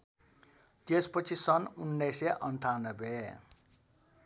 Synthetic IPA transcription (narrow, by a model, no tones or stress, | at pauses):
t̪espʌt͡sʰisʌnunːʌjseʔʌɳʈʰanʌbe